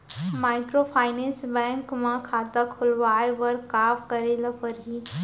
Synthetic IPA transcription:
maːɪkɾopʰaːɪnɛ̃ːnsbɛ̃ːŋkmãkʰaːt̪akʰʊlʋaːeʋəɾkaːfkəɾelapəɾɦi

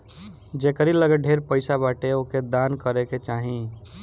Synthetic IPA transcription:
d͡ʒeːkəɾiləɡəɖʱeːɾpəɪsabaːʈeoked̪aːnkəɾeket͡ʃaːɦĩ

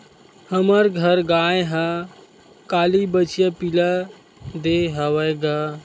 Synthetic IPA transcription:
həməɾɡʱəɾɡaːjɦã | kaːlibət͡ʃjapila | d̪eɦaʋəjɡa

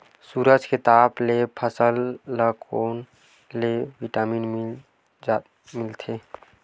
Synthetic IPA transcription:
suːɾəd͡ʒʱket̪aːblepʰəsəlːəkʰoːn | leʋiʈaːmin | mɪlt̪ʰe

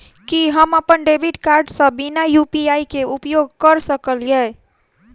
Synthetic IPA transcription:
kiɦəməpənɖebʱiɖkaɾɖsə̃binajupiaikeupjoɡkəɾsəkəlijɛ

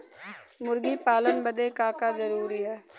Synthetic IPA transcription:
mʊɾɡipaːlənbəd̪ekaːkad͡ʒɐɾuːɾiɦɛː

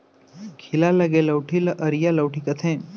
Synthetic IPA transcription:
kʰilalɐɡeləwʈʰiləʔəɾjaləwʈʰikət̪ʰẽː

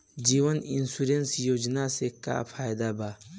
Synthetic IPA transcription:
d͡ʒiːʋənɪnsuːɾensjoːd͡ʒnaseka̰pʰaːjd̪abaː

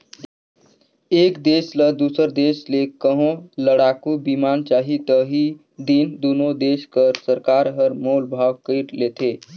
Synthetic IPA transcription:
eːkd̪eːsləd̪usəɾd̪eslekəɦõləɽaːkubimant͡ʃaːɦit̪əɦi | d̪ind̪unod̪eːskəɾsəɾkaɾɦəɾmoːlbʱaɡkəɪɾlet̪e

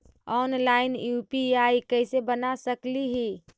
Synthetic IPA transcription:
ɔːnlaːɪnjuːpiaikəɪsebənasəkliɦi

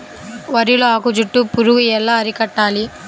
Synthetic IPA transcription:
ʋɐɾijuluaːkud͡ʒuʈːupuɾuɡuɛlːaːɐɾikɐʈːaːli

